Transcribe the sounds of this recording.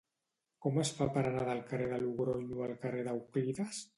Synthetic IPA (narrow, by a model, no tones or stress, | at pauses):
kɔmesfapaɾanaðalkareðaluɣɾoɲualkareðawkliðas